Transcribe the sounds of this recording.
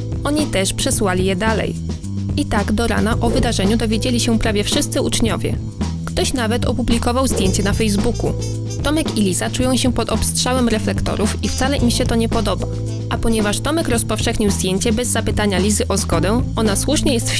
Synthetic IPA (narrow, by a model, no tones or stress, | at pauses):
ʔɔɲit̪ɛʂpʂɛswalʲijɛd̪alɛ̰j | ʔit̪aɡd̪ɔɾa̰naʔɔvɘd̪aʐɛɲud̪ɔvʲjed͡ʑelʲiɕɛpɾavʲjɛfʂɘst̪sɘut͡ʂɲɔvʲjɛ̰ | kt̪ɔɕnavɛt̪ɔpublʲikɔvawzd̪jeɲt͡ɕɛnafɛjzbukṵ | t̪ɔmɛkilʲizat͡ʂujɔ̃w̃ɕɛpɔt̪ɔpstʂawɛmɾɛflɛkt̪ɔ̰ɾufift̪salɛʔimɕɛt̪ɔɲɛpɔd̪ɔba̰ | ʔapɔɲɛvaʂt̪ɔmɛkɾɔspɔfʂɛxɲiwzd̪jeɲt͡ɕɛbɛzːapɘt̪aɲalʲizɘʔɔzɡɔd̪ɛɔnaswuʂɲɛjɛst̪f